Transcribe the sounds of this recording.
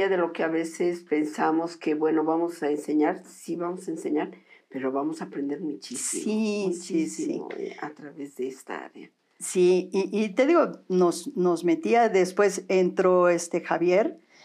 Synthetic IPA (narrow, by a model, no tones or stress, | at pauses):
aðe̞lo̞keaβe̞se̞spe̞nsamo̞ske̞βwe̞no̞βamosaense̞ɲaɾsiβamosaenseɲaɾpe̞ɾo̞βamo̞saːpɾe̞nd̪e̞ɾmut͡ʃisiisisḭa̰t̪ɾaβezðeest̪a̰a̰ɾea | siiʔːt̪e̞ðiɣo̞no̞zno̞zmet̪iaðe̞spwe̞sent̪ɾo̞est̪e̞xaβje̞ɾ